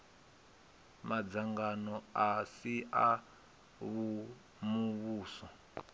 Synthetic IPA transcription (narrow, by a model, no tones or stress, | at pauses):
mad͡zaŋɡanɔasiʔa | βu | muβuːsɔ